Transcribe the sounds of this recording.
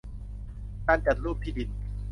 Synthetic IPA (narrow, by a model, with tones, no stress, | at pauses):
kaː˧nt͡ɕa˨˩t̪̚ɾuː˥˩p̚t̪ʰiː˥˩di˨˧˩n